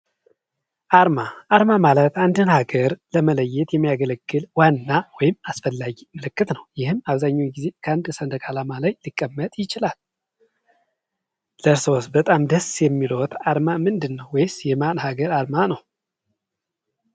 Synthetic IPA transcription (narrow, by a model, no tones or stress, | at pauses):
ʔaɾmaʔaɾmamalət̪and̪ɨnhaɡəɾləmələjːɛt̪jɛmːijaɡələɡːɨlwanːawɔjɪmasfəlːaɡimɨlɨkːɨt̪nəwjɪhɨmaβzaɲːaɡize̞kʰəand̪sənd̪əkʰʼalamalajlikʼːəmːət̪ʼjɪt͡ʃɪlal | ləɾsosbət̪ʼamd̪əsjɛmːilot̪ʰaɾmamɨnd̪ɨnːəwːɔjsjɛmanhaɡəɾaɾmanəw